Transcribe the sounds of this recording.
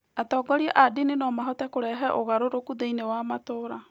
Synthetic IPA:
atɔːɡɔɾiɛʔadinenɔmaɦɔtɛkoɾɛɦɛʔoɣaɾoɾokuðeinewamatoɾa

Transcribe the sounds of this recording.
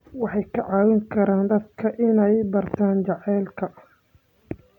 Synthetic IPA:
wɑħɑjkʰɐʕɑːwɪŋkʰɐɾaːnd̪ɐd̪̚kʰɐʔɪnɛjbɐrt̪ʰaːnt͡ʃɑʕɛːlkʰɐ

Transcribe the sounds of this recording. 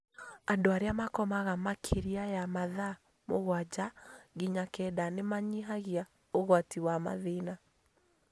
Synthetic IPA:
andoaɾeamakɔmaɣamakʰeɾiajamaða | moɣwad͡ʒaɣiɲakɛdanemaɲiɦaɣia | oɣwatiwama̰ðina

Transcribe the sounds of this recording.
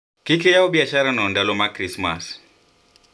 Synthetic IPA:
kikɛjaɔɓiaʃaɾanɔndalɔmakɾismas

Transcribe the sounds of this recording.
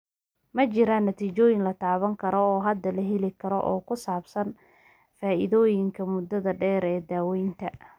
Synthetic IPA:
mɐt͡ʃɪɾanːɐt̪ʰiːt͡ʃɔːjɪnlɐt̪ʰaːβɐŋkʰɐɾɔɔːɦɐd̪ːɐlɐɦɪlɪkʰɐɾɔ̰ʔɔ̰ːkʰʊsaːbsɐn | faːʔɪðɔːjɪŋkʰɐmʊd̪ːɐðɐɖɛːɾɛːd̪aːwɛjnt̪ʰɐ

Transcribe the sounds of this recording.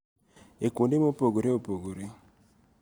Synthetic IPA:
ekondemopoɡoɾeopoɡoɾe

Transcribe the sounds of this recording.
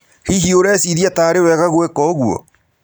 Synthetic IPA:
hiɦioɾɛːsiðjataːɾewɛːɣaɣwekɔɣwɔ̰

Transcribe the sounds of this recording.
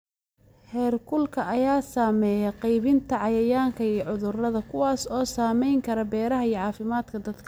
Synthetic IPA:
hɛːrkʰʊlkʰɐʔɐjaːsaːmɛːjɛqɑjβɪnt̪ʰɐʕɑjɐjaːŋkʰɐijɞʕʊðʊrɐðɐkʰʊwaːsɔːsaːmɛjŋkʰɐɾɐbɛːɾɐɦɐijɔʕɑːfɪmaːd̪kʰɐd̪ɐd̪kʰ

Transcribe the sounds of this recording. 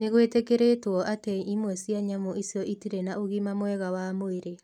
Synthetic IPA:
neɣwetekeɾetwɔʔateimwɛsiaɲamoʔisjɔʔitiɾenaoɣimamwɛɣawamoeɾe

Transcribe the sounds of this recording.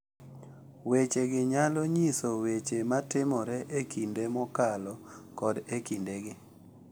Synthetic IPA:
wet͡ʃeɡɪɲalɔɲisowet͡ʃematɪmɔɾɛʔekʰindemɔkalɔkɔdekindeɡɪ

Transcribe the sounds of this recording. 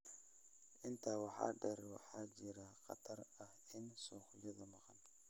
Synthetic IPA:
ʔɪnt̪ʰawɑħɑ̰ːɖɛɾwɑ̰ħaːd͡ʒɪɾaqɑ̰t̪ʰɐrɐhɪnsɔːxʊjɐðɐmɑqɑn

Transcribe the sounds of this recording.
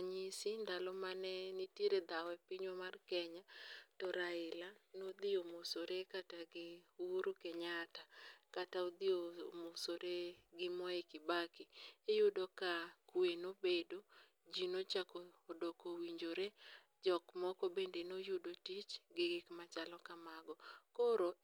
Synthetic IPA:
aɲisɪnd̪alɔmanɛniteɾed̪awɛpiɲwɔmarkɛɲatɔɾaɪlanod̪ɪomosoɾekataɡɪwuɾokɛɲatakataod̪ɪomosoɾeɡɪmɔekɪbakɪejʊdɔkakwenobedo | d͡ʒinot͡ʃakɔːdokowiɲd͡ʒoɾe | d͡ʒɔkmɔkɔbendenojʊdotit͡ʃɡɪɡɪkmat͡ʃalɔkamaɡɔkoɾo

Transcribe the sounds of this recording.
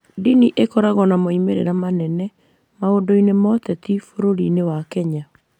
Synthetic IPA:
diniʔekɔɾaɣɔnamoimeɾḛɾamanɛnɛ | maodoinemɔt̪ɛt̪ifoɾoɾinewakɛɲa

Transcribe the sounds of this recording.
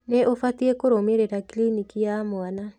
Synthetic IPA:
neʔofatiekoɾomeɾeɾakilinikijamwana

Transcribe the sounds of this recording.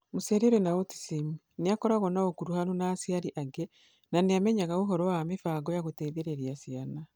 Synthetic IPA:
museɾeɾenaoti̥simu | neakɔɾaɣɔnaokuɾuhanonaːsiaɾiʔaɡɛ | naneamɛɲaɣaoɦɔɾɔwamefaɡɔjaɣoteːðeɾeɾiasiana

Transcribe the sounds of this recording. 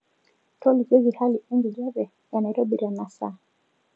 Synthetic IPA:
tɔlikɛzihaliʔɛŋɡiʄavɛ | janaiɾɔɓiɾanasa̰

